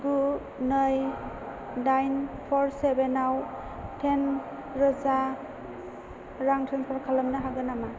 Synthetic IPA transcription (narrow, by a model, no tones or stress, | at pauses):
ɡu | nəj | najnpʰɔɾsebenaw | tʰen | ɾɔza | ɾaŋtʰenpʰɔɾkʰalamnaɦaɡɯnama